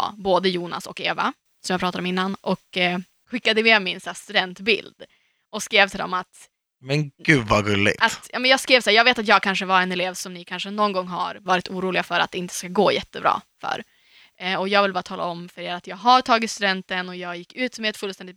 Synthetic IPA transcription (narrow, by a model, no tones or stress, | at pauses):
boːd̪əjuːna̰sɔ̰keːva̰ | sɔmjaːpʰɾɑːt̪ad̪ɔmɪnːanɔk | ɧɪkːad̪əmemɪnsæːst̪ʉd̪ɛnt̪bɪ̰ld̪̥ | ʔɔskɾeːvt̪ʰɪld̪ɔ̰mat̪ | mɛnɡ̥ʉːvaɡɵlːɪ̰ɡat̪jɑ̰ːmɛnjɑːɡskɾeːvsaæːɾjɑːɡveːt̪at̪jɑːɡ̚kʰanʂəvaɾɛnɛleːvsɔmnɪkʰanʂənɔnːɡɔŋːɦa̰ɾvɑːɾɪt̪ʰuːɾuːlɪɡafœɾat̪̚d̪ɛɪnt̪ʰə̥skaɡoːjɛt̪ːəbɾɑ̰ːfœ̰ɾ | ɔjɑːɡvɪlbɑːɾat̪ʰɑːla̰ɔmfœɾeːɾat̪jɑːɡɦaɾʈ̪ʰɑːɡɪt̪st̪ʉd̪ɛnt̪ənɔjɑːɡjɪkːʉ̟ːt̪mɛɛt̪fɵlst̪ɛnd̪ɪt̪